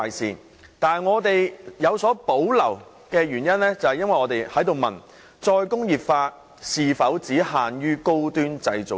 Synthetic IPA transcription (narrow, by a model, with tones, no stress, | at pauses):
jsiː˨ | t̪aː˨ŋɔː˨˧t̪e˨jjɐ˨˧wsɔː˨˥po˨˥wlɐ̰˨˩w | kɛː˧ɥyː˨˩njɐ˥nlɛː˥t͡sɐ˨whɐ˨jɐ˥nwɐ˨jɔː˨˧t̪e˨jhɐ˨˥jt̪o˨wmɐ̰˨˩n | t͡sɔː˧jkʊ˥ŋjiː˨p̚faː˧t̚ | siː˨fɐ˨˥wt͡siː˨˥haː˨njyː˥ko˥wt̪yː˥nt͡sɐ˧jt͡so˨